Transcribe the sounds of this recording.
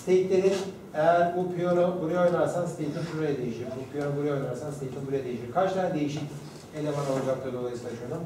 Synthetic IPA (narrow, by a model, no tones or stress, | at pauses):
st̪ejit̪lʲeɾin | ejæɾbupʰijonobuɾujojnaɾsanst̪ʰejp̪ʰɯnʃuɾajad̪ejiʃiɾbuʃpʰijonubuɾujojnˠaɾsanst̪ʰejp̪ɯnbuɾajad̪e̞jiʃiɾkʰat͡ʃlˠaɾd̪e̞jiʃic | elʲemanalˠad͡ʒak̚t̪ʰad̪o̞lˠajɯsɯaʃʰɯjod̪um